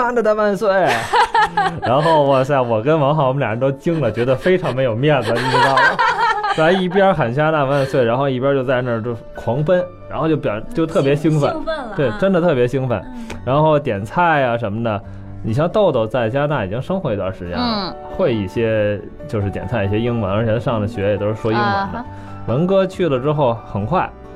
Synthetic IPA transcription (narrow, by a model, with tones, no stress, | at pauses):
a˥˩nd̪ə˨˩t̪a˥˧ma˥˧nswe˥˩ɪ | ɻa˧˥nxo˥˩ʊwɕa˥˩wɔ˨˩kə˥nwɑ˧˥ŋxɑ˧˥wɔ˧˥ljɑ˨˩ə˧˥t̪o˥ʊt͡ɕi˥ŋlə˨t͡ɕɥɛ˧˥d̪ə˧fe˥ɪʈ͡ʂʰɑ˧˥ŋme˧˥ɪjo˨˩ʊmjɛ˥˩nd͡zə˩i˥˩˥ɑ˥˩sa˥i˥˩pjɑ˥xə˨˩nt͡ɕja˥t̪a˥˧fa˥˧nswe˥˩ɪa˧˥nxo˥˧ʊi˥˩pjɑ˥t͡ɕjo˥˧ʊt͡sa˥˧ɪnə˥˩ʈ͡ʂ | kʰwɑ˧˥ŋpə˥n | ɻnxo˥˧t͡ɕo˥˩pjɑ̰˨˩˥t͡ɕjʊt̪ʰɤ˥˩pjɛ˧˥ɕi˥ŋfə̰˧˩˦t̪we˥˩ɪʈ͡ʂə˥nd̪ə˨t̪ʰɤ˥˩pjɛ˧˥ɕi˥ŋfə̰˧˩nɻa˧˥nxo˥˩ʊt̪jɛ˨˩nt͡sʰa˥˩ɪɐ˩ʂə˧˥nmə˧d̪ə˨˩ | ni˨˩ɕ̬jɑ˥˧ŋt̪o˥˧ʊt̪o˥˩ʊt͡sa˥˩ɪt͡ɕja˥t̪a˥˩i˨˩t͡ɕi˧˥ŋʂɤ˥ŋxwɔ˧˥i˧˥t̪wa̰˥˩nʂɻ̩˧˥t͡ɕjɛ̰˧˥n | xwe˥˩ɪi˥˩ɕjɛ˥ | t͡ɕjo˥˧ʊʂɻ̩˥˩jɛ˨˩nt͡sʰa˥˩ɪi˥˩ɕjɛ˥i˥ŋwə˧˥nə˞˧˥t͡ɕʰɛ˧˥ə˧ʂɑ˥˩ŋd̪ə˩ɕɥɛ˧˥jɛ˨˩t̪o˥ʊʂɻ̩˥˩ʂwɔ˥i˥ŋwə̰˧˥nd̪ə̰˧ | wə˧˥nkɤ˥t͡ɕʰy˥˩lə˩ʈ͡ʂɻ̩˥xo˥˩ʊxə˨˩nkʰwa˥˩ɪ